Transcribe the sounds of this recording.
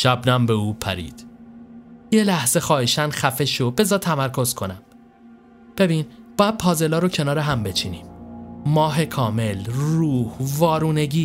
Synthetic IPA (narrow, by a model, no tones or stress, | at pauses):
ʃæbnæmbeuːpʰæ̰ɾḭːd̪̥ | je̞læhz̥e̞xɒːhiʃænxæfe̞ʃobe̞zɒːt̪ʰæmæɾkʰo̞z̥kʰo̞næm | b̥e̞biːnb̥ɒːjæd̪̥̚pʰɒːze̞lɒːɾocʰe̞nɒːɾeɦæmbe̞t͡ʃʰiːniːmmɒːɦe̞kʰɒːme̞lruːhvɒːɾuːne̞ɟiː